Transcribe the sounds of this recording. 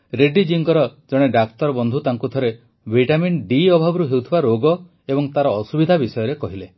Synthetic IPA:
ɾeɖid͡ʒiŋkɔɾɔd͡ʒɔɽ̃eɖakt̪ɔɾɔbɔnd̪ʱut̪aŋkut̪ʰɔɾe | bʱiʈaminɖiɔbʱabɔɾuɦewt̪ʰibaɾoɡɔ | ebɔŋt̪aɾɔːsubid̪ʱabisɔjɔɾekɔɦile

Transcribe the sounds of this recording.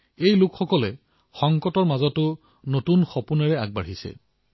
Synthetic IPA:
ejlʊkxɔkɔlɛ | xɔŋkɔtɔɹmazɔtʊ | notunxɔpunɛɹɛaɡ̚baɹɦisɛ̰

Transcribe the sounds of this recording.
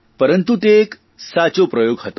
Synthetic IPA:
pəɾənt̪ut̪ek | sat͡sopɾəjoɡɦət̪o̥

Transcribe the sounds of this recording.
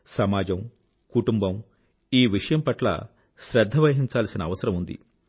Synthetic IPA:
sɐmaːd͡ʒɐm | kuʈumbɐm | iːʋiʂɐjɐmpɐʈlɐ̰ | ʃɾɐd̪ʱːɐʋɐɦiɲt͡ʃaːlsinɐːʋɐsɐɾɐmund̪ḭ

